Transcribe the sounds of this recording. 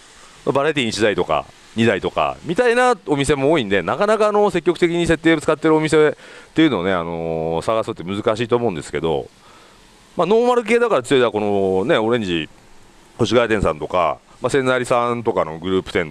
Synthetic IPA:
mabaɾait̪iːit͡ɕid̪ait̪o̞ka̰ | ɲ̟id̪ait̪o̞ka̰mʲit̪ainao̞mʲis̬e̞mo̞ːĩnd̪e̞nakanakaːno̞se̞kʲːo̞kɯ̟t̪ekʲiɲ̟ise̞t̪ːeːot͡sɨ̥kat̪ːe̞ɾɯ̟o̞mʲis̬e̞t̪ːe̞iɯ̟no̞ːnea̰no̞saɣasɨt̪ːemɯ̟zɨkaɕiːt̪oːmo̞ɯ̟̃nd̪e̞sɨ̥ke̞d̪o̞̰ | mano̞ːmaɾɯ̟k̬e̞ːd̪akaɾat͡sɨjoid̪ako̞no̞ne̞o̞ɾẽ̞ɲ̟d͡ʑi | koɕiɡaːt̪ẽ̞sã̰nt̪o̞ka̰ | masẽ̞nːaɾʲisãnt̪o̞kano̞̰ɡɯ̟ɾɯ̟ːpɯ̟t̪ẽ̞n

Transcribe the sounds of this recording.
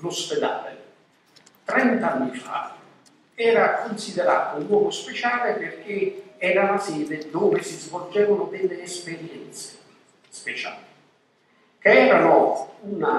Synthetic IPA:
losped̪a̰ːlḛ | t̪ɾɛnt̪anːifa̰ | ɛːɾakonsid̪eɾa̰ːt̪ounːwɔːɡospet͡ʃaːleperk̟eɛːɾalasɛːd̪ed̪oːvɪsizvold͡ʒɛːvanʊd̪ɪlːeːspeɾjɛnt̪se̥ | spet͡ʃa̰ːlɪ | keɛːɾanouna

